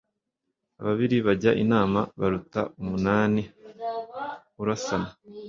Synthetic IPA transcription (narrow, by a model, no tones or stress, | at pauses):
aβaβiɾiβaɟaʔinaːmaβaɾuta̰umunaːni | uɾasana